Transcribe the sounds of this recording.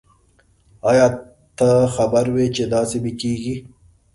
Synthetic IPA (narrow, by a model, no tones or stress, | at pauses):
aːjɑː | t̪əxɐbəɾwet͡ʃed̪aːsebikiːɡi